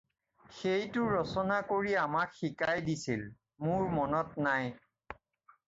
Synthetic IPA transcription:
xejtʊɹɔsɔnakoɹiamakxikajdisil | mʊɹmɔnɔtnaj

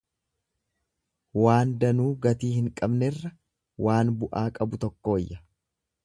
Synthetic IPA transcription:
waːnd̪ɐnuːɡɐt̪iːhɪŋkʼɐbnɛrːɐ | wʔaːnbʊʔaːkʼɐbʊt̪ɔkːo̞ːjːɐ

